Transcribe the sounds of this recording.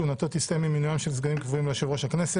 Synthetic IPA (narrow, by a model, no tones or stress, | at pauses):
unat̪ot̪ist̪ajmimːinujamʃems̬ɡanimkvuimlaʃevʁoʃhaknese